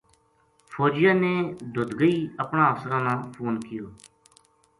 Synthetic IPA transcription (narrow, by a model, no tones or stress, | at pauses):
fʰoːd͡ʒɪjaːneːd̪ʊd̪ɡəiːəpnãːəfsəɾãːnãːpʰoːnkɪjoː